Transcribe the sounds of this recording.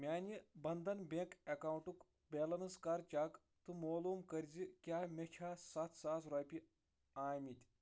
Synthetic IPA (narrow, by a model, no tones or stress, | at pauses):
mʲaːnʲibɐnd̪ɐnbʲekɐkaːwuɳʈuk | bʲeːlɐnɐskɐɾt͡ʃaːk | t̪ɨmoːluːmkɐɾʲd͡zikʲaːmʲekʲʰaːsɐt̪ʰsaːsɾoːpʲi | aːmʲit̪ʲ